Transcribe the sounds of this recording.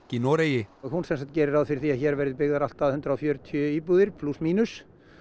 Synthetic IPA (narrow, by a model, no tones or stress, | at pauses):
cinɔːɾejɪɣɦunsɛnsat̪̚cɛːɾɪɾaðfɪɾɪ̥ɾθiaðçɛɾvɛɾðɪpɪɣðaɾal̥t̪aðhʏnt̪ɾaofjœːɾʏt̪ʰjʏiːpuðɪɾ̥pʰlusmiːnʏs